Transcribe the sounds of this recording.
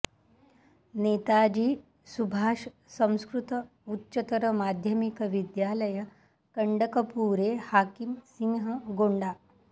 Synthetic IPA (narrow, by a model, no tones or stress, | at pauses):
net̪ad͡ʑiː | subʱaːʂ | sə̃w̃skɾut̪ə | utːɕət̪əɾəmad̪ʱjəmikəʋid̪jaləjə | kəɳɖəkəpuɾehakimsiŋɦəɡoɳɖa